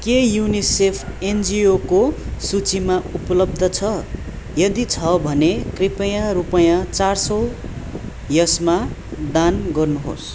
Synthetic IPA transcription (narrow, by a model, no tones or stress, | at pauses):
kejunisepʰend͡ziokosut͡simaupʌlʌb̚d̪ʱʌt͡sʰʌ | jʌd̪it͡sʰʌbʱʌnekripʌjãɾupʌjãt͡sarsʌw | jʌsmad̪anɡʌrnuɦo̰s